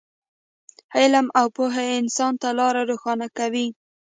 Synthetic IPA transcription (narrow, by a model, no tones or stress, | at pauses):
hɪlamʔawpoɦeɪnsɑnt̪alɑɾaɾoxɑnakawi